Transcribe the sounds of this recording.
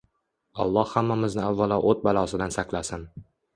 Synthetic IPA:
ɒ̰lˠːɒhhamːamɪznɪavːalɒʔot̪̚balˠɒsɪd̪ansaqlˠasɪn

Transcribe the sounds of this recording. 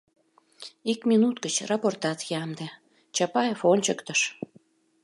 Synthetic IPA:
ikmʲinut̪kət͡ɕrɑport̪ɑt̪jɑmd̪e | t͡ɕɑpɑjefonʲt͡ɕəkt̪əʃ

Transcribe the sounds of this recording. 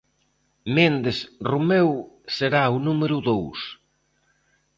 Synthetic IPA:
mend̪esrumewseɾaʊnumeɾuðows

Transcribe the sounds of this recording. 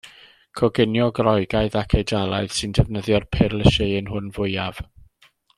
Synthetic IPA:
kʰɔɡɪnjɔɡrɔɨɡaɨðakʰejdalˠaɨð̥sɨndɛvnəðjɔrpʰɛrlˠəʃɪənɦʊnvʊjav̥

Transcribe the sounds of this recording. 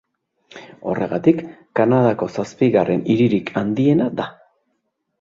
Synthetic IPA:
o̞̰re̞ɣat̪ikː | anaðako̞saspiɣare̞niɾiɾikʰand̪ie̞nad̪a

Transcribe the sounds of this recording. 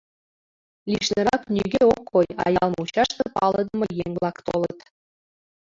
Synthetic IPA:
lʲiʃnɤɾɑknʲyɡʲeokʰːojɑ̰jɑlˠmut͡ɕɑʃt̪ɤpɑlˠɤ̆d̪ə̆mɤ̆jeŋʲblˠɑkt̪olət̪

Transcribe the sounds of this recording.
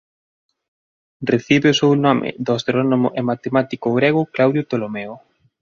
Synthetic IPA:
reθiβeosewnɔmʔɪ̰d̪oast̪ɾɔnomʊ̰ʔemat̪emat̪ikoɣɾeɣʊklawðjot̪olomeo

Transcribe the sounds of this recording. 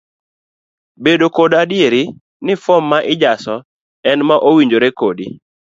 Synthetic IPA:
bedokodadɪeɾi | nɪfɔmːaʔɪd͡ʒasɔ | ɛnmaʔowiɲd͡ʒoɾekodi

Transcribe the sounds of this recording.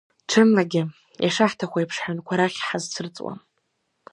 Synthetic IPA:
ʈ͡ʂʰɨmlaɡʲɪ | jaʂaħtʰaχʷaipʰʂħankʷʰaɾaχʲħazt͡sʰɨrt͡sʼwa̰m

